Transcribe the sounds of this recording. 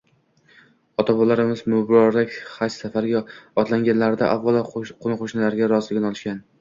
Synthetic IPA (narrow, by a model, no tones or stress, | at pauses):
ɒt̪ʰabɒlaɾɪmɪzmʊbɾɒɾlɪkʲhajssafaɾɡʲaɒt̪laŋɡʲanlaɾɪd̪a̰ʔavɒlˠqʰonɪqʰoʃnɪlaɾɡʲaɾɒzɪlɪɪnɒlˠɪʃkʲan